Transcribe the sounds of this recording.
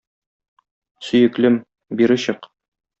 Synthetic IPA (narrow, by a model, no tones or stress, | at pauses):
sɵ̆jɘ̆klɘm | biɾɘ̆ɕɤq